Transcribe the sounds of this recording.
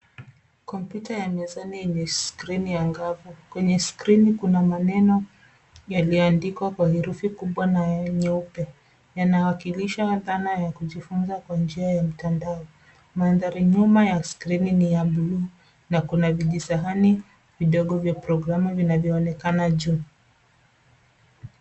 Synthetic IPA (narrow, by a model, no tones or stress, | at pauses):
kɔmpjutajamiɛzaniiɲɛskɾinijaŋɡavɔkwɛɲɛskɾinikunamanɛnɔ | jalijɔandikwakwahiɾufikuɓwanaɲɛupɛ | janawakiliʃaðanajakuʄifunzakwand͡ʒiajam̩tandaɔ | manðaɾiɲumajaskɾininijaɓulu | nakunaviʄisaɦani | viɗɔɠɔvjapɾɔɡɾamuvinavjɔːnɛkanaʄu